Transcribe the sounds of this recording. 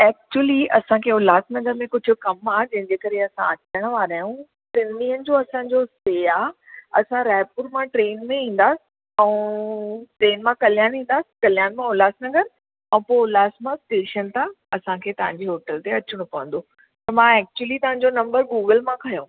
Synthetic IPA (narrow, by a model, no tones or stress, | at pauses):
ɛːk̚t͡ɕuəliɐsãkʰeːʊlaːsnɐɡəɾmẽkʊd͡ʑʱʊ̆kɐmaːɦd͡ʑɐ̃ɦɪ̃ɲd͡ʑeːkɐɾeɐsã̰ɐt͡ɕəɽ̃əʋaːɾɐjũ | st̪ɪniːənɪ̆d͡ʑoɐsãːɲd͡ʑoseːaɐsãɾɛːpuɾmãʈɾeːnmẽĩːn̆d̪aːsɪ̥̆ | ɛ̃ | ʈɾeːnmãkɐljaːnĩːn̆d̪aːsɪ̥kɐljaːnmãʊlaːsnɐɡəɾ | ɛ̃poːʊlaːsmãsʈeːʃənt̪ã | ɐsãkʰeːt̪ɐʋ̤ãɲd͡ʑeɦoːʈəlt̪eɐt͡ɕɪɽ̃õpɐʋə̃nd̪o | t̪ɐmãːɛːk̚t͡ɕuəlit̪ɐʋ̤ɦãɲ̆d͡ʑonɐ̃mbəɾɡuːɡəlmãkʰɐjõː